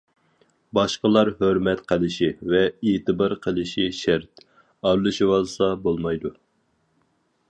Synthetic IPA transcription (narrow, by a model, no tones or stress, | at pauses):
bɑʃqəlˠɑɾɦøɾmɛt̪qʰəlˠɪʃivɛet̪ɨbɑɾqʰəlˠɨʃiʃæɾt̪ | ɑɾlˠɨʃiwɑlˠsɑbolˠmɑjd̪u